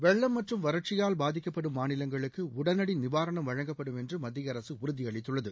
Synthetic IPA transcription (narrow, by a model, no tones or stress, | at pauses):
ʋɛɭːɐmːɐʈrɯmʋɐɾɐʈ̚t͡ʃɪjaːlbaːðɪkːɐpːɐɽɯmːaːnɪlɐŋɡɐɭɯkːɯʊɽɐnɐɽɪnɪʋaːɾɐɳɐmʋɐɻɐŋɡɐpːɐɽɯmɛndrɯmɐd̪ːɪjɐɾɐsɯʊɾɯðɪɐɭɪt̪ːɯɭːɐðɯ